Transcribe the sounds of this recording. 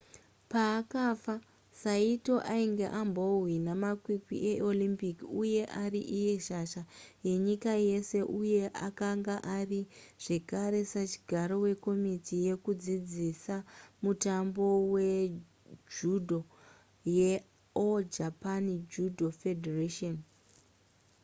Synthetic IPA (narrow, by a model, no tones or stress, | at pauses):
paːkafa | saito̞ʔaiŋɡe̞ʔambo̞winamakwikḭʔeolimpikiuje̞ʔariʔije̞ʃaʃaje̞ɲikaje̞se̞ʔuje̞ʔakaŋɡaʔariʐ̥e̞kaɾe̞sat͡ʃi̥ɡʱaɾo̞we̞ko̞mitije̞kud͡zid͡zisamutambo̞we̞ | d͡ʒudʱo̞ | je | od͡ʒapanid͡ʒudʱofedʱereʃon